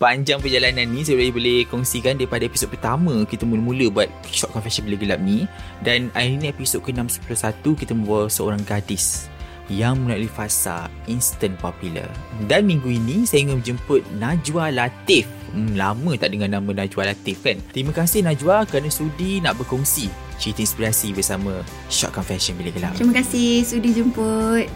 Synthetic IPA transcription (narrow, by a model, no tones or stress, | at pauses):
paɲd͡ʒaŋpərd͡ʒalananːĩs̬əlaibolehkɔŋsikandaɾipadaepisod̚pərt̪amə̃kit̪əmũləmũləbuat̪̚ | ʃɔʔ̚kɔnfɛsənbələɡəlap̚ni | danaiɾiniepisod̚kənãmsə̥pulosat̪ukit̪əmə̃bualsəo̰ɾaŋɡadɪs | jaŋmə̃lalifasa̰ | inst̪ən̚papilə̰danmiŋɡuinĩsajəŋəmə̃d͡ʒəmpʊt̪̚nad͡ʒualat̪ɪf̩ | lamə̃t̪aʔdəŋanːamə̃nad͡ʒualat̪ɪfkant̪ɾimə̃kasɪhnãd͡ʒuakəɾanasudinaʔbərkɔŋsi | t͡ʃit̪əinspiɾasibərsamə̃ | ʃɔ̰t̪̚kɔnfɛsənbilaɡəla̰p̪̚ɾiməkasɪhsudid͡ʒəmpət̪̚